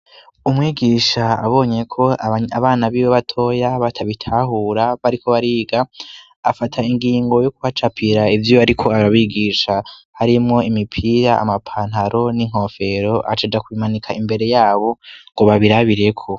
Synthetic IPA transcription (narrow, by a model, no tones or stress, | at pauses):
umŋiːɡiʃaa̰βo̞ːɲe̞kʰo̞aaβaːnaβiβoβatʰo̞jaβatʰaβitʰaɦuɾaβaɾikʰo̞βaɾiːɡaː | fatʰaiŋɡiːŋɡo̞jok̚uβat͡ʃapʰiɾaivjoaɾikʰo̞aɾaβiɡiʃahaɾimŋo̞imipʰiɾaa̰mapʰaːn̥ɦaɾʔo̞niŋ̥ɦo̞fe̞ɾo̞ʔa̰t͡ʃad͡ʒakuimanikʰaimbe̞ɾe̞jaːβo̞ŋɡoβaβiɾaβiɾe̞kʰo̞